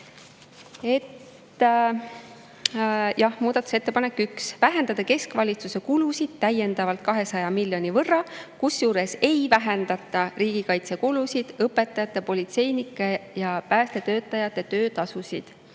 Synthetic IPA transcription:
e̞t̪ː | jɑhmuːd̪̥ɑt̪u̥set̪ːepɑne̞kːˑyksvæɦe̞nd̪̥ɑd̪̥ɑke̞skvɑlʲit̪suse̞kulusid̪̥̚t̪æje̞nd̪̥ɑvɑlt̪̚kɑɦe̞sɑjɑmilʲjo̞nʲivɤrːɑkusjuːɾe̞se̞jvæɦend̪̥ɑt̪ːˑɑriːɡ̥ikɑjt̪sekulusid̪̥ɤpːˑe̞t̪ˑːɑjɑt̪ːˑe̞po̞lit̪se̞jnikːˑejɑpæːst̪e̞t̪ø̞ːt̪ːˑɑjɑt̪ːˑe̞t̪ø̞ːt̪ɑsusid̪̥

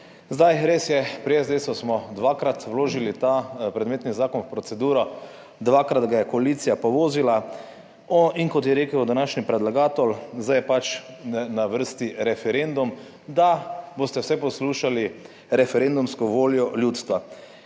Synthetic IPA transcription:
zd̪ajɾeːsjɛpɾijɛzd̪esɔsmɔd̪ʋaːkɾat̪wloːʒilit̪apɾɛd̪meːt̪nizaːkɔnwpɾɔt̪sɛd̪uːɾɔ | d̪ʋaːkɾad̪ɡajɛkɔaliːt̪sijapɔʋoːzila | ɔiŋkɔt̪jɛɾeːkəwd̪anaːʃnipɾɛd̪laɡaːt̪ɔlzd̪ajɛpat͡ʃnaʋəɾst̪iɾɛfɛɾend̪um | d̪aboːst̪ɛwsɛpɔsluːʃali | ɾɛfɛɾend̪umskɔʋoːljɔljuːt̪st̪ʋa

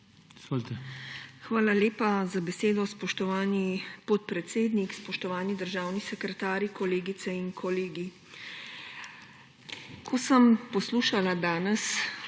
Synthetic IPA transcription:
iz̥voːlt̪ɛxʋaːlaleːpazabɛseːd̪ɔspɔʃt̪ɔʋaːnipɔt̪̚pɾɛt̪seːd̪nikspɔʃt̪ɔʋaːnid̪əɾʒaːwnisɛkɾɛt̪aːɾjikɔleːɡit̪sɛiŋkʰɔleːɡi | kʰɔsəmpɔsluːʃalad̪aːnɛs

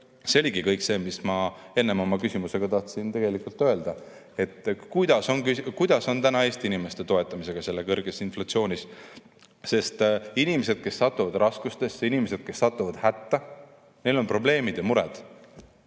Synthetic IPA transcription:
seoliɡikɤjkse̞ːmismɑ | e̞nːe̞mo̞mɑkysimuse̞ɡ̥ɑt̪ɑht̪sint̪e̞ɡ̥e̞likult̪ːˑø̞e̞ld̪̥ɑ | e̞t̪ːkujd̪̥ɑso̞nkykujd̪̥ɑso̞nt̪ænɑe̞ːst̪iinime̞st̪e̞t̪o̞e̞t̪ːˑɑmis̬e̞ɡ̥ɑse̞lːekɤrɡ̥esinflɑt̪sio̞ːnʲis | se̞st̪inime̞se̞d̪̥̚ke̞sːɑt̪ːˑuvɑd̪rɑskust̪e̞sinime̞se̞d̪̥̚ke̞sːɑt̪ːˑuvɑd̪̥hæt̪ːɑ | ne̞jlo̞npro̞ble̞ːmid̪̥jɑmuɾɛ̰d̪̥

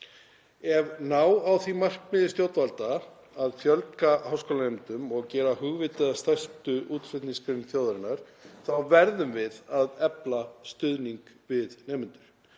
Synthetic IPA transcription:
ɛvnawawθvimar̥kmɪðɪst̪jowt̪valt̪aː | ðfjœlkahawskowlanemɪnt̪ʏmɔɣcɛːɾaɦʏɣvɪt̪ɪðast̪ast̪ʏʔuːt̪fɪt̪nĩskɾɪɾnθjoːwðɾɪnːaɾ̥θawvɛɾðʏmvɪðaðɛplast̪ʏðniŋkvɪðneːmʏnt̪ʏɾ̥

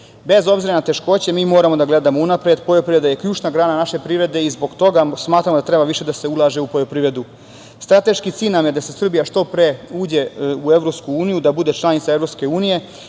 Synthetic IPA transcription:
be̞zo̞bziɾanat̪e̞ʃko̞ːt͡ɕe̞miːmo̞ːɾamo̞d̪aɡle̞d̪amounapɾed̪pojopɾiʋɾed̪aje̞kʎuːt͡ʃnaɡɾaːnanaʃe̞pɾiʋɾe̞d̪e̞izbo̞ɡt̪o̞ɡasmaːt̪ɾamod̪at̪ɾe̞baʋiʃe̞d̪ase̞ulˠaʒe̞upo̞jopɾiʋɾe̞d̪u | st̪ɾat̪e̞ʃkit̪siːlʲnamje̞d̪ase̞sr̩bijaʃt̪o̞pɾeuːd͡ʑe̞uevɾo̞pskuuːnijud̪abud̪e̞t͡ʃlˠanit̪saevɾo̞pske̞uːnije̞

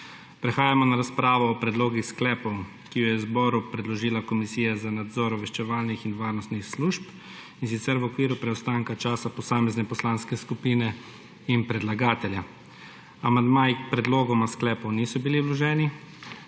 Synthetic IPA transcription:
pɾɛxaːjamɔnaɾaspɾaːʋɔːpɾɛd̪loːɡixsklɛːpɔw | kijɔjɛzbɔːɾupɾɛd̪lɔʒiːlakɔmisiːjazanad̪zɔɾɔʋɛʃt͡ʃɛʋaːlnixinʋaːɾnɔst̪nixsluːʃp | insit̪sɛɾʋɔkʋiːɾupɾɛɔst̪aŋkat͡ʃaːsapɔsaːmɛznɛpɔslaːnskɛskupiːnɛ | inpɾɛd̪laɡaːt̪ɛlja | amand̪maːjipɾɛd̪loːɡɔmasklɛːpɔwnisɔbiliulɔʒɛːni

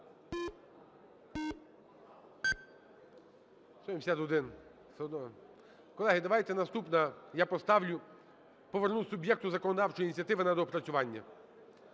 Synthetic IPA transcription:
ʃt͡ʃɔimsʲat̪ɔd̪ɪn | sd̪ɔ | kɔlˠɛɦɪd̪ɐʋɑjt̪ɛnɐst̪upnɐjapɔst̪ɑwlʲʊ | pɔʋernusʊbʲjɛkt̪ʊzɐkɔnɔd̪ɑwt͡ʃɔjinʲitt͡sʲjɐt̪ɪʋɪnɐd̪ɔpɾɐsʲʊʋɑnʲːɐ

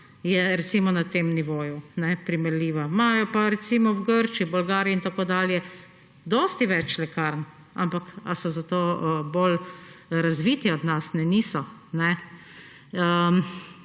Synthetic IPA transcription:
jɛɾɛt̪simɔnat̪eːmniʋoːjunɛpɾimɛɾlʲiːʋamajɔpaɾɛt̪simɔwɡəɾt͡ʃiibɔlɡaːɾiɛint̪akoːd̪aːljɛ | d̪ɔst̪iʋɛt͡ʃlɛkaɾn | a̰mpakasɔzat̪oːbolɾazʋit̪ɛɔd̪nasnɛniːsɔnɛ | ə

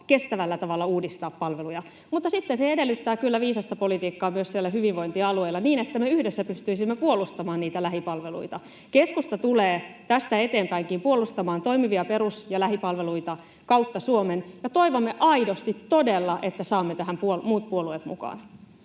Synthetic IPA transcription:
ke̞st̪æʋælːæt̪ɑʋɑlːɑuːdist̪ɑːppɑlʋelujɑ | mut̪ːɑsit̪ːenseede̞lːyt̪ːæːkylːæʋiːsɑst̪ɑpo̞lit̪iːkːɑːmyøssielːæhyʋinʋo̞int̪iɑlueilːɑniːnet̪ːæmeyhdesːæpyst̪yisimːepuolust̪ɑmɑːnniːt̪ælæɦipɑlʋelṵit̪ɑ | keskust̪ɑt̪uleːt̪æst̪æe̞t̪e̞ːmpæiŋkimpuo̞lːˑust̪ɑmɑːnt̪o̞imiʋiɑpe̞ɾusjɑlæɦipɑlʋeluit̪ɑ | kɑwt̪ːɑsuomenjɑt̪o̞iʋomːe̞ʔɑidost̪it̪ːo̞delːɑʔet̪ːæsɑːmːet̪æɦæmpuolmuːt̪̚puoluet̪mṵkɑ̰ːn

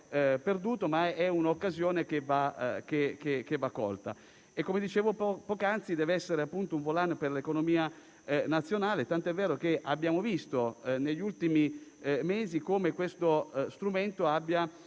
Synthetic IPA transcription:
perd̪uːt̪omaɛunokːazjoːnekeva̰k̟ekekevakːɔ̰lt̪a̰ | ekːomed̪it͡ʃeːvoppɔːkant̪sid̪ɛːveɛsːeɾeapːunt̪ouɱvolanperlekonomiːa | nat̪sːjonaːlet̪ant̪oɛvːɛːɾokeʔabːjaːmovist̪oneʎːult̪imimeːzikomekwest̪ost̪ɾument̪oabːja

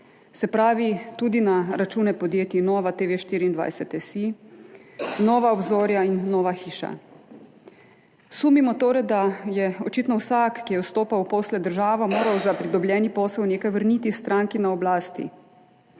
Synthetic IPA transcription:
sɛpɾaːʋit̪uːd̪inaɾat͡ʃuːnɛpɔd̪jeːt̪inɔːʋat̪eʋeʃt̪iːɾiːnd̪ʋa̰jsɛt̪ɛsi | nɔːʋaɔbzoːɾjainːɔːʋaxiːʃa̰ | suːmimɔt̪oːɾɛd̪ajɛɔt͡ʃit̪nɔwsaːkːijɛwst̪oːpawpɔːslɛd̪əɾʒaːʋɔmoːɾawzapɾid̪ɔblʲjɛːnipɔːsɛwneːkajʋəɾniːt̪ist̪ɾaːŋkinaɔblaːst̪ḭ

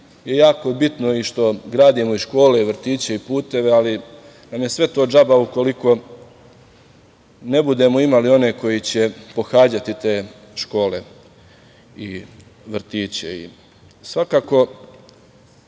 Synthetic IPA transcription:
je̞jaːko̞bit̪no̞iʃt̪o̞ɡɾaːd̪imoiʃko̞ːle̞iʋrɾ̩t̪iːt͡ɕe̞ipuːt̪e̞ʋeali | namje̞sʋe̞t̪o̞ːd͡ʒabauko̞liko̞ | ne̞bud̪e̞moimalio̞ne̞ko̞jit͡ɕe̞poxaːd͡ʑat̪it̪e̞ː | ʃko̞ːle̞̰ | i | ʋr̩t̪iːt͡ɕḛḭ | sʋakaːko̞

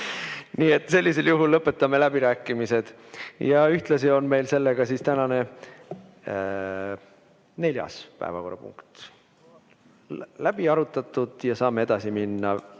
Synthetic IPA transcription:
niːe̞t̪ːˑse̞lʲːise̞ljuɦulːɤpːˑe̞t̪ːˑɑmːe̞læb̥iɾæːkːˑimise̞d̪̥ | jɑyht̪lɑsio̞nme̞jlse̞lːeɡ̥ɑsist̪ænɑne̞ | ne̞lʲjɑ̰spæ̰evɑ̰ko̞rɑ̰pṵŋkt̪ | læb̥iɑɾut̪ːˑɑt̪ːˑud̪̥jɑsɑːmːee̞d̪̥ɑsiminːɑ

